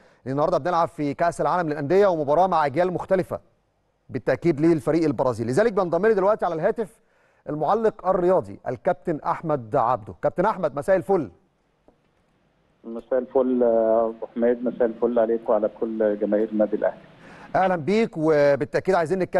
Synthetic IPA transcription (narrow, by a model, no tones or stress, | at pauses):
ʔenːhɑɾd̪ˤɑbenelʕabfikæʔsælʕaːlæmlelʔænd̪ejːæwemobɑɾˤɑːmaʕʔæɡjæːlmoʊxt̪ælɪfæ̰ | bet̪ːæʔkiːd̪liːlfæɾiːʔelbɑɾˤɑːziːlːezæːlek̚bend̪ˤɑmːenid̪elwæʔt̪iʕalælɦæːt̪ef | ʔælmoʕalːeqʔærːejɑːd̪ˤḭʔæ̰lkæp̚t̪enʔa̰ħmæd̪ʕa̰b̚d̪okæp̚t̪enʔaħmæd̪mæsæːʔelfolː | mæsæːʔelfold̪ˤɑħmeːd̪mæsæːʔelfolːʕaleːkwʕalækʰolːɡæmæhiːɾmæːd̪ilʔæ̰hliʔæhlæmbiːkwebet̪ːæʔkiːd̪ʕajziːnːekːæ